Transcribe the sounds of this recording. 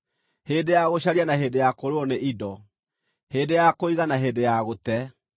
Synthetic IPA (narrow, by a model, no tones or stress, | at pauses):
hedejaɣoɕaɾianaɦedejakoɾoɔneʔidɔ | hedejakoiɣanaɦeːdejaɣotɛ